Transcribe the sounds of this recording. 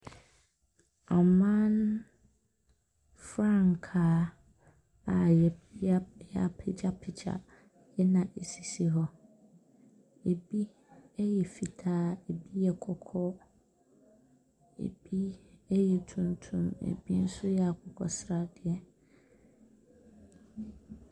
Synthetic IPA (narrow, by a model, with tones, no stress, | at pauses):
a˨mã˦n | fɾã˦˨ŋ˨kʰaː˨˦ | a˨jɛ˨˦a˦jɛ˦a˨pʰɪ˨d͡ʑa˦pʰɪ˨t͡ɕa̰˨ | jɛ˦nã˨ʔe˨si˨si˦ɦɔ˦ | e˨bi˦ | ɛ˦jɛ˨fi˨tʰaː˦e˨bi˦jɛ˨kʰɔ˨kʰɔ˦ | ḛ˨b̥i˦ɛ˦jɛ˨tʰũ˨ntʰũ˦mḛ˨bi˦n̩˦sʊ˦jɛ˨a˨kʰɔ˨kʰɔ̰˨sɾa˦dɪ˨ɛ˦